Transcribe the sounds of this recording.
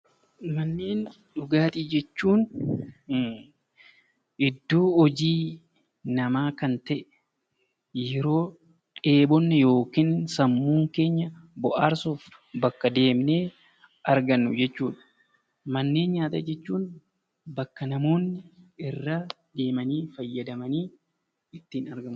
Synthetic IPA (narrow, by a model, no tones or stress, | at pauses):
mɐnːe̞ːn | ᶑʊɡaːt̪iːd͡ʒɛt͡ʃːuːn | ʔɪd̪ːoːɔd͡ʒiː | nɐmaːkɐnt̪ɐʔɛ | jɛɾo̞ː | ᶑe̞ːbɔnːɛjo̞ːkiːnsɐmːuːŋke̞ːɲːɐbɔʔaːɾsuːf | bɐkːɐd̪e̞ːmneː | ɐɾɡɐnːʊd͡ʒɛt͡ʃːuːᶑɐ̥ | mɐnːe̞ːnɲaːt̪ɐ̰d͡ʒɛt͡ʃːuːn | bɐkːɐnɐmo̞ːnːɪɪrːa | d̪e̞ːmɐniːfɐjːɐd̪ɐmɐniː | ɪt̪ːiːnɐɾɡɐm